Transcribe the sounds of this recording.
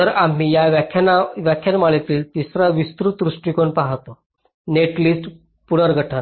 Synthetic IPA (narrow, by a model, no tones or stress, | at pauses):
əɾam̤ijaʋjakʰjanaʋjakʰjanmaɭet̪iːlt̪isɾaʋist̪ɾut̪ɾuʂʈikoɳpaɦt̪o | neʈliːsʈ | puɽəɾɡʱəʈʰən